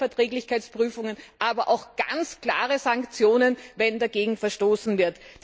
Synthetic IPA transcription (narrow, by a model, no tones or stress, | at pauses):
ɛɐtʁ̥ɛːɡlɪçkʰaɪt͡spʁ̥yːfʊŋənʔaːbɐʔaʊxɡ̥a̰nt͡skl̥a̰ːʁəzaŋkt͡sjoːnənvɛndaɡeːɡŋ̩fɛɐʃtoːsn̩vɪɐt